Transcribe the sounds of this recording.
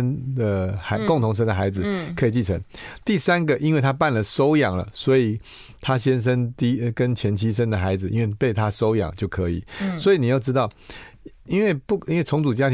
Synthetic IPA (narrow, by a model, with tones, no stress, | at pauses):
nd̪ə˨a˧kʊ˥˨ŋt̪ʰʊ˧˥ŋʂ̬ə˥nd̪ə˨xa˧ɪd͡zɹ̩˨˩kʰə˧˦˥i˨˩t͡ɕi˥˩t͡sʰə̰˧˦ŋt̪i˥˩sa˥nɡə˨ʔi˥nwe˥˩ɪt̪ʰa˥pa˥˩nlə˨ʂo˥ʊjɑ˨˩ŋlə̰˩swɔ˧˦˥i˨˩ | t̪ʰa˦ɕjɛ˥nʂ̬ə˦nt̪i˧kə˦nt͡ɕʰjɛ˧˥nt͡ɕʰi˥ʂ̬ə˥nd̪ə˨xa˧˥ɪd͡zɹ̩˨˩ḭ˧˥nwe˥˩ɪpe˥˩ɪt̪ʰa˦ʂo˥ʊjɑ̰˨˩ŋt͡ɕjo˥˩ʊkʰɤ̰˧˦ḭ˨˩swɔ˧˥i˨ni˨˩jo˥˩ʊʈ͡ʂɻ̩˥t̪ɑ˥˩ʊ | i˥nwe˥˩ɪpu˥˨i˥nwe˥˩ɪt͡sʰʊ˧˥ŋt͡su˨˩t͡ɕja˦˥t̪ʰ